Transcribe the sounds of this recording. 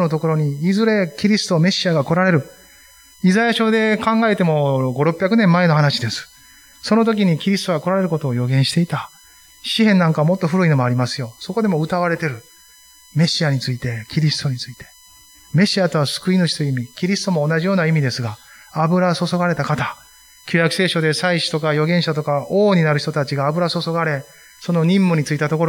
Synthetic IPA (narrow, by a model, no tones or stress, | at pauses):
not̪o̞ko̞ɾo̞ɲ̟iːzɨɾe̞kʲiɾʲisɨ̥t̪o̞me̞ɕiaɡako̞ɾaɾe̞ɾɯ̟ | izajaɕo̞d̪e̞kãŋɡae̞t̪e̞mo̞ɡo̞ɾo̞pʲːjakɯ̟nẽ̞mːae̞no̞ɦanaɕid̪e̞sɨ̥ | sono̞t̪̬o̞kʲiɲ̟ikʲiɾʲisɨ̥t̪oɡako̞ɾaɾe̞ɾɯ̟ko̞t̪o̞ːjoɡẽ̞ɰ̃ɕi̥t̪e̞it̪a | ɕiɦẽ̞nːãŋkaβamo̞t̪ːo̞ɸɯ̟ɾɯ̟ino̞moaɾʲimasɨjo̞so̞ko̞d̪e̞moɯ̟t̪aβ̞aɾe̞t̪e̞ɾɯ̟ | me̞ɕiaɲ̟it͡sɨit̪e̞kʲiɾʲisɨ̥t̪o̞ɲ̟it͡sɨit̪e̞̥ | me̞ɕiat̪o̞βasɨ̥kɯ̟inɯɕi̥t̪ojiimʲikʲiɾʲisɨ̥t̪omo̞ːnaʑijo̞ːnaimʲid̪e̞sɨɡaː | bɯ̟ɾaso̞so̞ɡaɾe̞t̪akat̪a | kʲoɾʲakɯ̟se̞ːɕo̞d̪e̞saiɕi̥t̪o̞kajo̞ɡẽ̞ɰ̃ɕat̪o̞kaoːɲ̟inaɾɯ̟çi̥t̪o̞t̪at͡ɕiɡaːbɯ̟ɾaso̞so̞ɡaɾe̞ | so̞no̞ɲ̟ĩmːoɲ̟it͡sɨit̪at̪o̞ko̞ɾ